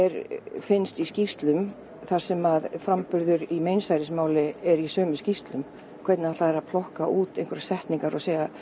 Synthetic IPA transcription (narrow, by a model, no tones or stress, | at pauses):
ɛɾfɪnst̪iscist̪lʏm | θaɾ̥sɛmaðfɾampʏɾðʏɾimejnsajɾɪsmaːwlɪɛɾisœːmʏscist̪lʏm | kʰvɛt̪naat̪aðɛɾaðpʰlɔhkaʔuːt̪ẽjŋkvʏɾḁsɛht̪niŋkaɾɔseːjɣa